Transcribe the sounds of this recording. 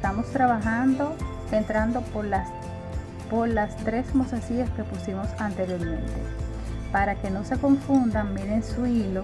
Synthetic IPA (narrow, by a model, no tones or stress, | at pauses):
t̪amo̞st̪ɾaβaxand̪o̞ | e̞nt̪ɾand̪o̞poɾlas | po̞ɾlast̪ɾe̞smosasiaske̞pusimo̞sant̪e̞ɾjo̞ɾmẽ̞nt̪e̞̰ | paɾake̞no̞se̞ko̞ɱfund̪amiɾensuilo̞